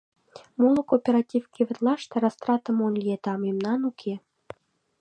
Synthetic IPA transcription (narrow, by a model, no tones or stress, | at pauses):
molˠəkopʲeɾat̪ʲifkʲivɨ̆t̪lˠɑʂt̪əɾast̪ɾɑt̪ə̆monlʲjet̪ɑmimnɑnukʰʲe